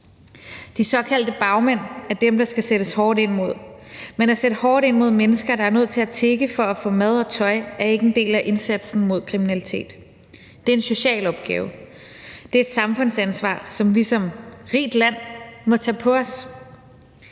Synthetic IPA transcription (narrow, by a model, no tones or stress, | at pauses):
d̥isɒ̽kʰæl̰d̥əb̥ɑ̈ʊmen̰æɐd̥emd̥ɑ̈sɡ̥æseɾ̥əshɒːd̥e̝n̰mo̝ð̞̰ˠ | menæseɾəhɒːɾ̥e̝nmo̝ð̞̰ˠmenəsɡ̥ɐɾ̥ɑ̈æɐnø̝ð̰ˠt͡sʰe̝læt͡sʰeɡ̥əfɒ̽æfɔ̰̽ːmæð̞ˠɒ̽t͡sʰɒ̽ɪæɐe̝ɡ̥əe̝nd̥e̝̰ːlæʔe̝nsæd̥sn̩mo̝ð̞̰ˠkʰʁiminælit͡sʰe̝̰ːd̥ː | e̝ɐe̝nso̝ɕɛ̰ːlɒ̽b̥ɡ̥ɛ̰ːʊ | d̥e̝ɐe̝d̥sɑ̈mfɔ̽n̰sænsʋɑ̰̈ːsɒ̽mʋisɒ̽mʁḭːd̥læn̰mɒ̽t͡sʰɛpʰɒ̽ɒs